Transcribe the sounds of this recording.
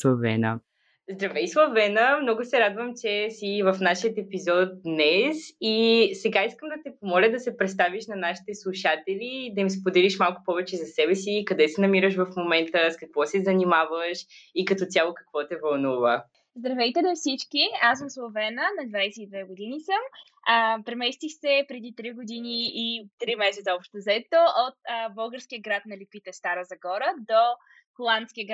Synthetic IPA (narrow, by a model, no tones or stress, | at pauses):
slˠɐvɛ̰nə̰ | zd̪ɾɐvɛislˠɐvɛnəmnɔɡʊsɛɾad̪vəmt͡ʃɛsivɐfnaʃijət̪ɛpizɔt̪̚d̪nɛsisɛɡaiskəmd̪ɐt̪ɛpomɔlʲəd̪ɐsɛpɾɛt̪st̪aviʃnɐnaʃi̥t̪ɛslˠuʃat̪ɛlʲid̪ɐims̬pod̪ɛliʃmalˠkʊ̥pɔvɛt͡ʃɛzɐsɛbɛsikɐd̪ɛsɛnɐmiɾəʃvɐfmomɛnt̪əskɐkvɔsɛzɐnimavəʃikɐt̪ɔt̪ʲjalˠokɐ̥kvɔt̪ɛvɐlˠnuvə | zd̪ɾɐvɛjt̪ɛlɛfsit͡ʃkiasəmslˠovɛnənɐd̪vajsɛid̪vɛɡod̪inisəm | əpɾɛmɛst̪ixsɛpɾɛd̪it̪ɾiɡod̪iniːt̪ɾimɛsɛt̪səɔpʃt̪t̪ozɛt̪oʔot̪̚ːbəlˠɡəɾsk̟ʲijəɡɾat̪̚nɐlipit̪ɛst̪aɾəzɐɡɔɾəd̪o | xolˠant̪skʲiəɡɾa